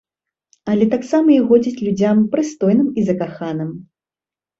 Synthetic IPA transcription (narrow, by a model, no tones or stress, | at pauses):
ɐlʲɛt̪aksamɐiɣɔd͡zʲit͡sʲlʲud͡zʲampɾɨst̪ɔjnɨmizɐkaxanɨm